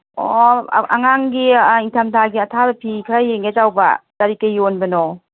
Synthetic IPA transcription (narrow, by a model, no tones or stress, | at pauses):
oa̰ŋaŋɡiiŋtʰamtʰaɡiɐtʰabɐpʰikʰɾajeŋɡezawba̰taɾikajionbɐnɔ